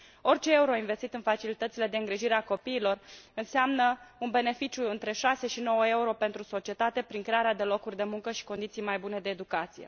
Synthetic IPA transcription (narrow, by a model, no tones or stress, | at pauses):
o̞rt͡ʃe̞euɾo̞inve̞st̪it̪ɨnfat͡ʃilit̪ət̪sile̞d̪e̞ɨŋɡɾiʒiɾe̞ako̞piːlo̞rɨnseamnəunbe̞ne̞fit͡ʃjuɨnt̪ɾe̞ʃase̞ʃino̞wəe̞uɾo̞pe̞nt̪ɾuso̞t͡ʃie̞t̪at̪e̞pɾinŋkɾeaɾead̪e̞lo̞kurʲd̪e̞muŋkəʃi̥ko̞nd̪it̪sijmajbune̞d̪e̞ːd̪ukat̪sije̞̰